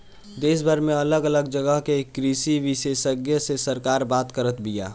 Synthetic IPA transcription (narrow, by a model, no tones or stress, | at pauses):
d̪eːsbʱəɾmẽɐləɡələɡd͡ʒəɡəɦkekːɾisiʋiʃesəɡjəsesəɾkaːɾbaːt̪kəɾət̪bija̰ː